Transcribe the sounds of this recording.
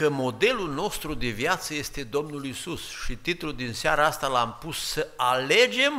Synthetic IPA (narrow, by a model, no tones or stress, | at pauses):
kəmo̞d̪e̞lulno̞st̪ɾud̪e̞vjat̪səje̞st̪e̞d̪o̞mnulisusʃit̪it̪lud̪inseaɾaast̪alampusːəale̞d͡ʒe̞m